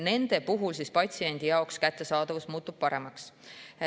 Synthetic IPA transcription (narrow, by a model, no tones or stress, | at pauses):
ne̞nd̪̥e̞puɦulsispɑt̪ʲsie̞nʲd̪̥ijɑokskæt̪ːe̞sɑːd̪̥ɑvusmuːt̪ːˑub̥̚pɑɾe̞mɑks